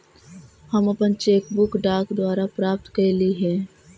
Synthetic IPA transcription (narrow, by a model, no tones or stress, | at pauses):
hɐmɐpənt͡ʃeːkbʊkɖaːkd̪waːɾapɾaːp̚t̪kɐliɦɛ̃ː